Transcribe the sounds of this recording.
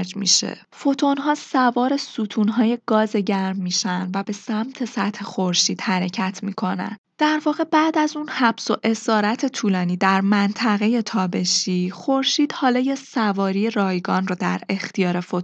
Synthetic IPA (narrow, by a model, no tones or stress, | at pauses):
ɾd͡ʒmḭʃḛ | fo̞t̪ʰo̞nɦɒːsævɒːɾe̞suːt̪ʰuːnɦɒːje̞ɡ̥ɒːzeɟæɾmːiːʃænd̪væbe̞sæmt̪ʰe̞sæt̪he̞xo̞ɾʃiːd̪̥hæɾe̞cʰæt̪ʰmiːkʰo̞næ̰n | d̪̥æɾvɒːɣe̞bæːd̪æzunhæb̥so̞ʔe̞sɒːɾæt̪ʰe̞t̪ʰuːlɒːniːd̪æɾmænt̪ʰæɣe̞je̞t̪ʰɒːbe̞ʃiːxo̞ɾʃiːd̪̥hɒːlɒːjesævɒːɾijeɾɒːjɡɒːnrod̪æɾe̞xt̪ijɒːɾefot̪